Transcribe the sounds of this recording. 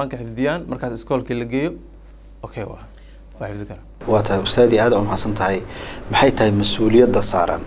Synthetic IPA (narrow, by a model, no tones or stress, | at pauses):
aːŋkʰɐħɪfd̪ɪjaːnmɐrkʰaːsɪskʰɔːlkʰiːlɐɡɛːjɔ | ʔɔkʰɛjwɑ̰ː | wɑːħɪfd̪ɪkʰɐɾa | wɑːt̪ʰɐhɛjʊst̪ʰaːðiaːðɐʊmɐhaːsɐnt̪ʰɐɦɛjmɪħɑjt̪ʰɐhɛjmɐsuːlɪjɐd̪ɐsaːɾɐ̰ːn